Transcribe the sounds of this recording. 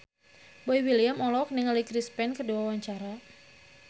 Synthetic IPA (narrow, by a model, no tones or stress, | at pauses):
boiwiliamɔlɔk̚nɪŋalikɾispɛnkəduwawaɲt͡ʃaɾa